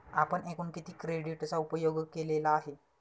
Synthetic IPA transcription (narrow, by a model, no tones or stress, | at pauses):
apəɳekuːnkit̪ʰiːkɾeɽiʈt͡saupəjoɡkelelaːɦe